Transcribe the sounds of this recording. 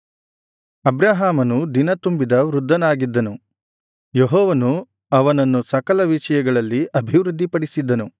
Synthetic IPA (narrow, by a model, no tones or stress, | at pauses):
ɐbɾaːɦaːmɐnud̪inɐt̪umbid̪ɐʋɾud̪ʱːɐnaːɡid̪ːɐnu | jeɦɔːʋɐnu | ɐʋɐnɐnːusɐkɐlɐʋiʃɐjɐɡɐɭɐlːiʔɐbʱiʋɾud̪ʱːipɐɽisid̪ːɐnu